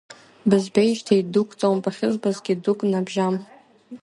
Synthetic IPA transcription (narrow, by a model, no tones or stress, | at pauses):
bɨzbejʃtʰeidukʷʼt͡sʼawmpʼaχʲɪzʷbazɡʲɪdukʼnabʒam